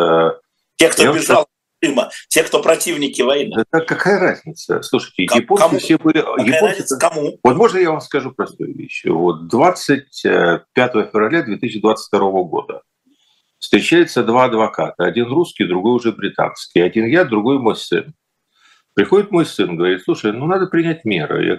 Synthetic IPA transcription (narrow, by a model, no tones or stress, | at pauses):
ə | ekt̪ojabʲɪʒalˠ | ɨmətʲekt̪opɾɐtʲivnʲɪkʲɪvɐjnɨɛt̪əkɐkajəɾazʲnʲɪt̪sə̰slˠuʂəjtʲɪjɪposɨfssʲɛbɨlʲɪjɪonsɐmuvozmo̞ʐnəjavamskɐʐupɾɐst̪ujʊ̰vʲḛɕvo̞t̪̚d̪vat̪sɨt̚ʲəpʲat̪əvəfʲɪvrɐlʲad̪vʲet̪ɨsɪːɪd̪vat̪sɨtʲfʲt̪ɐɾo̞vəɡo̞̰d̪ə | fst̪ɾʲɪt͡ɕæjɪt̪səd̪vaɐd̪vɐka̰t̪əɐdʲinruskʲɪjd̪ɾʊɡo̞jʊʐɛbɾʲɪt̪a̰nskʲɪjɐdʲinjad̪ɾʊɡo̞jmo̞jsɨ̰n | pɾʲɪxo̞dʲɪt̪mo̞jsɨnɡəvɐɾʲit̪sˠuʂəjnunad̪əpɾʲɪnʲæt̚ʲmʲe̞̰ɾɨ̰ja̰